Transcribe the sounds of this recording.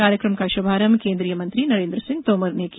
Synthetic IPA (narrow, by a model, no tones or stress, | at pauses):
aːɾjəkɾəmkaʃobʱaːɾəmkẽːnd̪ɾijəmɐ̃nt̪ɾinɐɾẽːnd̪ɾəsɪ̃ŋɡ̚t̪oːməɾnek